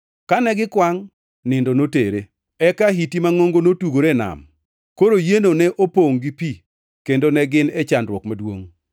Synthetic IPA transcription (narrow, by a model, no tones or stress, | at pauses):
kanɛɡɪkwaŋ | nɪndonotḛɾe | ɛkaɦitimaŋoŋɡonotuɡoɾena̰m | koɾojenonɛʔopoŋɡipi | kendonɛɡɪnɛt͡ʃandɾwɔkmadwo̰ŋ